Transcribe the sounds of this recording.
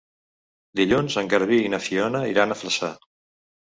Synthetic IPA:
d̪iʎunzəŋɡəɾβiinəfiɔnəiɾanəfləsa

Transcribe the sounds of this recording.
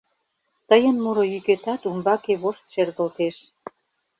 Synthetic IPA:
t̪əjənmuɾojyket̪ɑt̪umbɑkeβoʃt̪ʃerɣə̆lt̪eʃ

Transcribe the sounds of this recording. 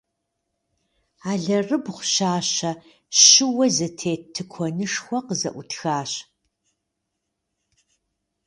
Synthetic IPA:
aːɮɐrɨbχʷʊʃaːɕɐ | ʃɨwɐzɐtʰeːtʰːɨkʷʰɔnɨʂxʷɔqəzɐ̰ʔʷʊtxaːɕ

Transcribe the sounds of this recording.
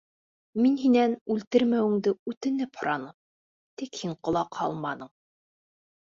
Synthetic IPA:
minɦinænʉlt̪ɘɾmæwɘ̆ŋd̪ɘʉt̪ɘ̆nɘphŏɾɑnɤm | t̪ikhiɴqŏlˠɑqhɑ̰lˠmɑnɤɴ

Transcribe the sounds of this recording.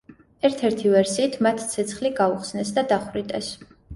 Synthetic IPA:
ɛɾt̪ʰɛɾt̪ʰivɛɾsiːt̪ʰmat̪ʰt̪sʰɛt̪sʰχliɡauχsnɛsd̪ad̪aχvɾit̪ʼɛs

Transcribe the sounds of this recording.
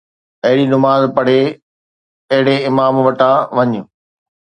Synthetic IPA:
ɐɦɪɽinʊmaːzpɐɽ̤e | ɐɦɪɽeɪmaːmʋɐʈʰãʋɐɲʊ

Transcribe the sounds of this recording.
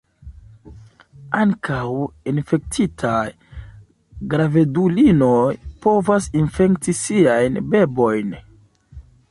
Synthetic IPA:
aŋkawinfe̞k̚tʰitʰaj | ɡɾave̞dulinojpo̞vasinfe̞ktisiajnbe̞bo̞jn

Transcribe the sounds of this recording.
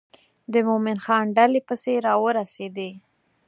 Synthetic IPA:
d̪əmomɪnxɑnɖalepəseɾɑwəɾased̪e

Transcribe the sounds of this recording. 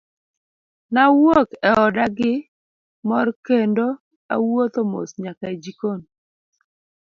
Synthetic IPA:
nawokɛɔdaɡɪ | mɔrkendo | a̰wot̪omo̰sɲakaed͡ʒikon

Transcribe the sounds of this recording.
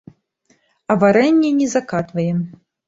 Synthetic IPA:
ɐvaɾɛnʲːɛnʲɛzakat̪vɐjɛm

